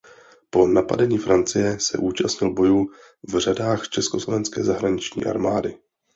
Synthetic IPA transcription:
po̞napa̰dɛɲiːfɾʔant͡sɪjɛsɛ̰ʔuːt͡ʃasɲɪlbo̞juː | vr̝adaːxt͡ʃɛsko̞slo̞vɛnskɛ̰ːzaɦɾaɲɪt͡ʃɲḭːʔa̰ɾmaːdɪ

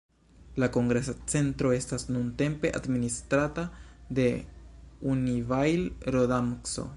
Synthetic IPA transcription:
lako̞ŋɡɾesot͡se̞nt̪ɾo̞e̞stasnunte̞mpe̞ʔa̰d̪ministɾatad̪e̞ | univajlɾodamkso̰

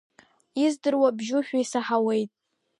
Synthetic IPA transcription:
izdɨrwabʒʊʃᶣaisaħawe̞jtʼ

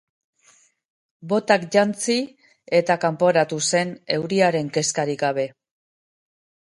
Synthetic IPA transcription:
bo̞t̪akʝant͡si | e̞t̪akampo̞ɾat̪use̞ne̞wɾiaɾe̞ŋke̞skaɾikɡaβ̞e̞

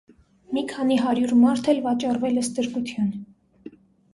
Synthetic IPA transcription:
mikʰɑniɦɑɾjuɾmɑɾt̪ʰɛlvɑt͡ʃɑrvɛləst̪əɾkut̪ʰjɑn

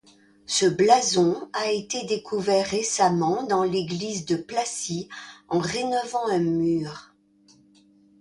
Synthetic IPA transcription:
səblazɔ̃aet̪ed̪ekʰuvɛʁːesamɑ̃d̪ɑ̃leɡlizd̪əplasiɑ̃ʁenɔvɑ̃ɛ̃myːʁ

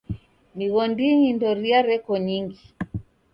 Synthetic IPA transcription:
niɣɔndiɲindɔɾiaɾɛkɔɲiŋɡi

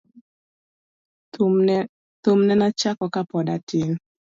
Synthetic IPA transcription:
t̪omnɛnat͡ʃakɔkapɔdatɪn

